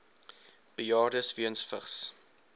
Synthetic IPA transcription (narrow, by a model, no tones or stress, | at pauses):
b̥əjɑːrdəsviənsfəχs